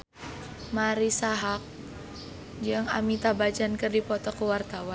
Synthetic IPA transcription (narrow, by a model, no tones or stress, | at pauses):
maɾisaɦak̚ | d͡ʒɨŋa̰mit̪abat͡ʃankɨrdipɔt̪ɔkuwart̪awan